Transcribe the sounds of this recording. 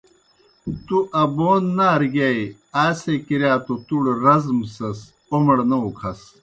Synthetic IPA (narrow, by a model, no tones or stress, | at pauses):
t̪uʔɐboːnːaɾɡɐj | aːsekiɾjaːt̪ot̪uɽɾɐzmsɐs | omɐɽnɐukʰɐs